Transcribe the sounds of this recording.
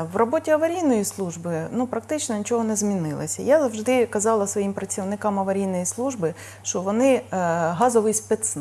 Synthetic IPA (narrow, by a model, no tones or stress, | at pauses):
ʋrɔbotʲiɐʋɐɾʲijnɔjislˠuʒbɪnupɾɐkt̪ɪt͡ʃnɔnʲit͡ʃɔɦɔnɛzmʲinɪlˠɪ̰sʲɐ̰jazɐwʒd̪ɪkɐzɑlˠɐsʋɔjimpɾɐt͡sʲiwnɪkɑmɐʋɐɾʲijnɔjislˠuʒbɪ | ʃt͡ʃɔʋɔnɪɦɑzɔʋɪjspet̪s